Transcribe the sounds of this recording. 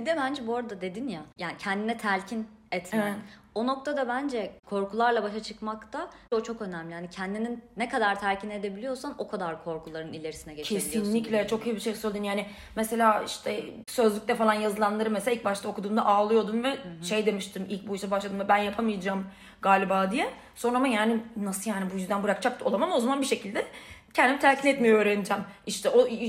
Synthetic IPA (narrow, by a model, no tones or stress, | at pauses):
b̥id̪ɛbænd͡ʒɛbuoɾad̪ad̪e̞d̪injajaːnicʰɛnd̪inɛt̪ʰæɾcʰin | ɛt̪ʰmæ | o̞no̞kt̪ʰad̪abænd͡ʒɛkʰo̞ɾkʰulˠaɾlˠabaʃat͡ʃʰɯkmakt̪ʰao̞t͡ʃʰo̞kø̞næmlʲihanicʰɛnd̪ininːɛkad̪aɾt̪ʰæɾcʰine̞d̪e̞bilʲijo̞sano̞kʰad̪aɾkʰo̞ɾkʰulˠaɾɯnilʲe̞ɾisinɛɡɟet͡ʃcʰesiionlʲiclʲɛt͡ʃʰo̞kʰɯjɯbiʃejsølʲd̪ynjaːnɪ | mɛse̞lʲaːiʃt̪ʰɛ | sø̞zlʲyc̚t̪ɛfalˠanjazɯlˠanlˠaɾɯmselʲailʲc̚baʃt̪ʰao̞kʰud̪uːmd̪aʔaːlˠɯjo̞d̪umvɛʃejd̪e̞miʃt̪ʰimḭlʲc̚ʲbujiʃsɛabaʃlˠad̪ɯmvɛbænjapʰamɯjad͡ʒaːm | ɡaːlʲibaːd̪ijɛ | so̞nɾamajaːninasɯjaːnibujyzd̪ænbɯɾak̚t͡ʃʰak̚t̪ʰɯolˠamamo̞zamanbiʃe̞cʰilʲd̪ɛcʰɛnd̪imit̪ʰæɾcʰinɛt̪mijoøːɾenid͡ʒɛmiʃt̪ʰɛʔo